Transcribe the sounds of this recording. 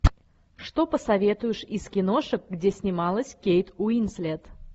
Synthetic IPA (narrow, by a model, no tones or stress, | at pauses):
ʂt̪o̞pəsɐvʲe̞t̪ʊjɪʂɪskʲɪno̞ʂək̚ɡdʲesʲnʲɪmɑlˠəsʲkʲejt̪uinsʲlʲet̪